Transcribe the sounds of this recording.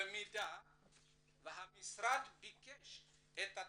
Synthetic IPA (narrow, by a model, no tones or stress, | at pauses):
mida | vaɦamisɾadbikeʃet̪a